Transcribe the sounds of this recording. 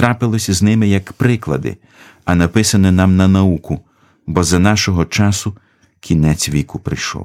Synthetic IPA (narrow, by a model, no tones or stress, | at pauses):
t̪ɾɑpɪlˠɔsʲɐznɪmɪjɐkpɾɪklˠɐ̰d̪ɪ̰ | ɐnɐpɪsɐnɪnɑmnɐnɐukʊ | bɔzɐnɑʃɔɦɔt͡ʃɑsʊ | kʲinɛt͡sʲʋʲikʊpɾɪjʃɔ̰w